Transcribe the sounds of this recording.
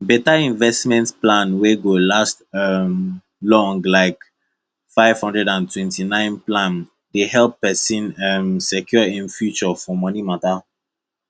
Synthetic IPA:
bɛtaĩnvɛstmɛ̃ntplãnweɡolastm | lɔ̃ŋɡlaɪk | faɪv̥hɔ̃ndɹɛdãntʰwɛ̃ntinãɪ̃nplãn | dehɛlpːɛsĩnɛmsɛkʰjɔĩnfjut͡ʃɔfɔmɔnimata

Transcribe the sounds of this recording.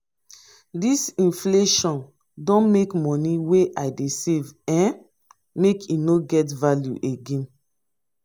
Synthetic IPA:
disĩnfleʃɔ̃n | dɔ̃nmekmɔ̃niweʔaɪdesevɛ̃n | mekʰinoɡɛtvaljṵʔeɡẽn

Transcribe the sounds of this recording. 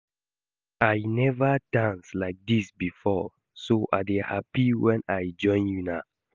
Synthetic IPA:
ajnɛvadãnslaɪk̚disbifɔ | soʔa̰dehapiwɛ̃najd͡ʒɔ̃ɪ̃njuna

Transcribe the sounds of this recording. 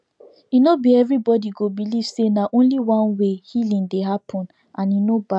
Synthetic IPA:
inobiɛvɹibɔdiɡobiliv̥senaʔõnliwɔ̃nwehilĩŋdeɦapʰɔ̃n | ʔãninoba

